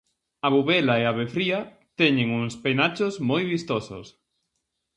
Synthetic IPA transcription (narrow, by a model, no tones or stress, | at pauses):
aβuβɛlaeaβefɾia | t̪ɛɲeŋuŋspenat͡ʃozmojβist̪oso̰s